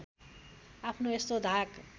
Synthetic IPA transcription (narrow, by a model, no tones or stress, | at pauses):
apʰnoest̪od̪ʱak